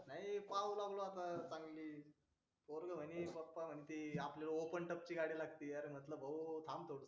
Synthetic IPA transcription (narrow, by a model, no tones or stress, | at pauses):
naɦjipawlaɡloat̪at͡saŋɡliː | poɾɡəm̤əñipəpːam̤ənit̪iapljalopəɳʈəp̚t͡ɕiːɡaɽiːlaɡt̪iːaɾm̤ət̪ləbʱəʋt̪ʰamt̪ʰoɽs